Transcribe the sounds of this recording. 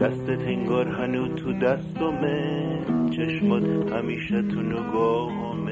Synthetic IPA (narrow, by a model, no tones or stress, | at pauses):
d̪̥æst̪et̪ʰeŋɡɔːɾɦænuːt̪ʰud̪æst̪ome | t͡ʃʰeʃmɔd̪hæmiːʃæt̪ʰunoɡɔːɦɔme